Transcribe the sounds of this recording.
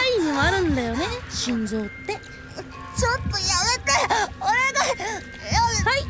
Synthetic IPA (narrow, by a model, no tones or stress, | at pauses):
aimoaɾɯ̟̃nd̪ajo̞ne̞ɕĩɲd͡zo̞ːt̪ːe̞ | t͡ɕot̪ːojamet̪eoɾeɡ̪a | hai